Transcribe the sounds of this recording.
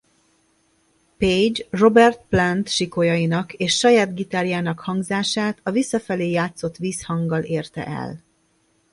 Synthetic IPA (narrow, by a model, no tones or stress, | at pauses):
ped͡ʒro̞bɛrt̪plɛnt̪ʃiko̞jɒjinɒkeːʃːɒjaːd̪ɡit̪aɾjaːnɒkhɒŋɡzaːʃaːt̪ɒvisːɒfɛleːjaːt̪so̞t̪ʋiːshɒŋɡɒleːrt̪ɛ̰ʔɛ̰l